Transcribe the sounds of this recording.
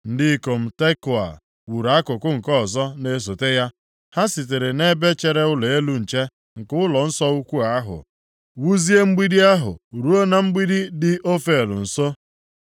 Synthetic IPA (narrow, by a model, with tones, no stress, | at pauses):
n̩˦dɪ˦ko˨m̩˦te˦kʊ˨a̰˨ | wu˨ɾa˨a˦kʊ˨kʊ˦ŋ̩˨kɔ˦˨zɔ˦ne˦s̬o˨te˦ja˦ | ha˦si˨t̬e˨ɾe˨ne˦be˦t͡ʃe˨ɾe˦ʊ˦le˨e˦lu˦n̩˨t͡ʃe˦ | ŋ̩˨kʊ˦ʊ˦lɔ˨n̩˦sɔ˦u˦kʷu˦a˨a˦ɦʊ̰˨ | wu˦zi˦e˦ŋ͡m̩˦ɡ͡bi˦di˦a˦ɦʊ̰˨ɾu˦o˦na˦m̩˦ɡ͡bi˦di˦dɪ˦ʔo˦fe˨lʊ̰˨n̩˨so˦